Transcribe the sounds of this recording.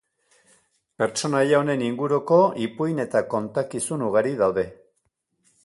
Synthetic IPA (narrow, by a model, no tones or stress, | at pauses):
pe̞ɾt͡ʃo̞najaone̞niŋɡuɾuko̞ipujne̞t̪ako̞nt̪akisunuɣaɾiðawðe̞